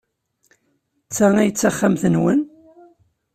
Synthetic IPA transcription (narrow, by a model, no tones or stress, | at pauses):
t͡sːaŋijət͡sːaχːamθənwən